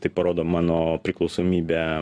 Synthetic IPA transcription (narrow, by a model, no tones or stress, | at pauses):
t̪ɐɪpɐɾoːd̪oːmɑːnoːpʲɾʲɪklˠɒʊsoːmʲiːbʲe